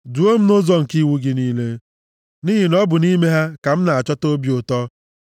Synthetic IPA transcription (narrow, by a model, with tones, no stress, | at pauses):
du˨˦o˦m̩˦no˦zɔ˦ŋ̩˨ki˦wu˦ɡi˦niː˦le˦ | ni˦ɦi˨nɔ˦bʊ˨ni˦me˦ɦa˦ka˨m̩˦na˨a˨t͡ʃɔ˦to˦bjo˨tɔ˦